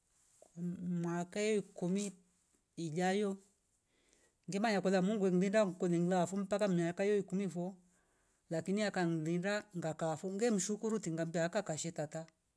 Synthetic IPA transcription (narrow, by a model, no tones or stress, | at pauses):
kamwakajɔikumi | id͡ʒajɔ | ŋɡɛmaɲakɔlamuŋɡwɛŋ̩lindaŋkɔliŋlafum̩pakamiakajɔikumifɔ | lakiniakan̩lindaŋɡakafuŋɡɛm̩ʃukuɾutiŋɡambiaːkakaʃɛtata